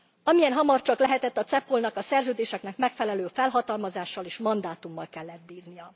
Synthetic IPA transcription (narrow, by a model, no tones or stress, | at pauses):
ɒmijɛnɦɒmɒrt͡ʃɒklɛɦɛt̪ɛt̪ːɒt̪sɛpːolnɒkɒsɛrzøːd̪eːʃɛknɛkmɛkfɛlɛløːfɛlɦɒt̪ɒlmɒzaːʃːɒleːʃmɒnd̪aːt̪umːɒlkɛlːɛt̪̚biːrnijɒ